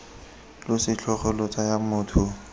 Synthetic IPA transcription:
lʊsɪt͡ɬʰɔχɔlʊt͡sʼajamʊːtʰʊ

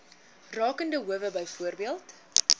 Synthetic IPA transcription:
rɑːkəndəɦuəvəbəjfuərbiəlˠt

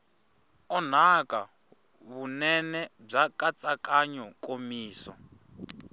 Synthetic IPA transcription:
ɔn̤akʼa | βunɛnɛb͡ʐakat͡sʼakʼaɲɔkʼomiːsɔ̰

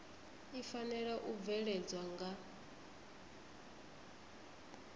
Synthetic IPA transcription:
ifanɛɺaʔub̪vɛɺɛd͡zwaŋɡa

